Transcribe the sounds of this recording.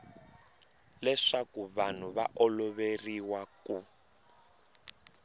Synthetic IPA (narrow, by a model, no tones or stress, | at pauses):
lɛʂakuβan̤uβaʔɔlɔβeriwaku